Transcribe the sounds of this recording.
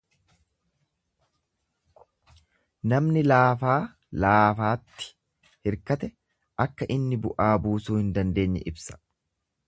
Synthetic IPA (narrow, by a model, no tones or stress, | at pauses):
nɐmnɪlaːfaː | laːfaːt̪ːɪ̥ | hɪɾkɐt̪ɛ | ʔɐkːɐʔɪnːɪbʊʔaːbuːsuːhɪnd̪ɐnd̪e̞ːɲːɛ̰ʔɪbsɐ̥